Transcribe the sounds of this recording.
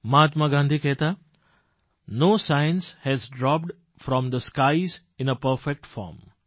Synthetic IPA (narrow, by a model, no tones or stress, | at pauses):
maːt̪maɡãːnd̪ʱikɛɦt̪a | noːsaɪnshɛzɖɾɔp̚ɖ | fɾɔ̃md̪əskaɪz | ɪ̃nəpəɾfek̚ʈfɔ̰ːɾm